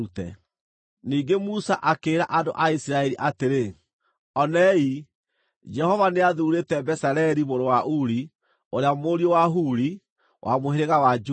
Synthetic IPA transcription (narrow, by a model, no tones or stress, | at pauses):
utɛ̰ | niːɡemusaʔakeːɾaʔandoʔaisiɾaɛɾiʔateɾe | ɔnɛi | d͡ʒɛhɔvaneaðuɾetɛbɛsaɾɛɾimoɾowaʔuɾi | oɾeamoɾiowaɦuɾi | wʔa̰moheɾeɣawad͡ʒu